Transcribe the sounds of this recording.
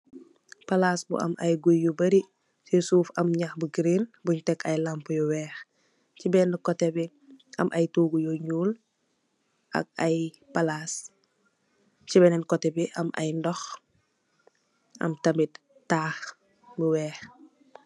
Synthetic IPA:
palasbṵʔɐ̰mʔɐjɡujːubɐɾi | sisuːfɐmɲaxbuɡɾinbuɲtɛkɐjlampjɔwɛːx | cibɛːnəkɔtɛbi | ɐ̰mʔɐjtuːɡujoɲuːl | ʔa̰k̚aj | palas | t͡ʃibɛnɛnkɔtɛbiʔɐmʔɐ̰jndɔx | ɐ̰mtɐmit | taːx | buwɛːx

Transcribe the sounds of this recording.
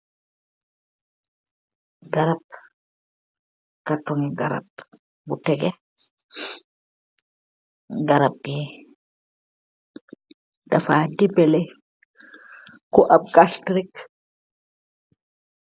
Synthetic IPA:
ɡaɾap̚ | katɔŋiɡaɾa̰p̚ | butɛɡɛ | ɡaɾap̚ɡi | dafadibɛlɛ | kɔʔab̚ɡastɾik

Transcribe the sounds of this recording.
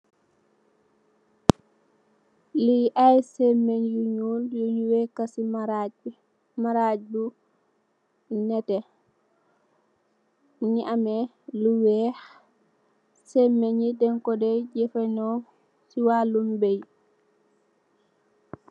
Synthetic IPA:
liʔajsɛmːeɲjuɲuljuɲuwɛkasiɾ | maɾad͡ʒdu | nɛtɛ | ɲiʔamɛ | luwɛh | sɛmːeɲidɛŋkɔdɛd͡ʒɛfɛnɔ | siwalumbej

